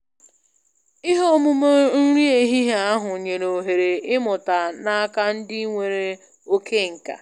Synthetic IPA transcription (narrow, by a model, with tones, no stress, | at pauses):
ɪ˦ɦo˦mu˦mo˦n̩˦ɾi˦e˨ɦi˦ɦa˦a˦ɦʊ˨ɲe˨no˨ɦe˨ɾe˨ɪ˦mʊ˨ta˨na˦a˦ka˦n̩˦dɪ˦ŋʷe˨ɾe˨ | o˦kʰe˦˨ŋ̩˨ka̰˨